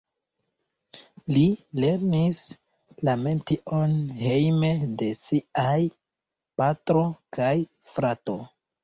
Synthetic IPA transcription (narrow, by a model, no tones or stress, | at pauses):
lile̞ɾnis | lame̞ntiʔonhe̞jme̞de̞siaj | patɾo̞kaj | fɾato̞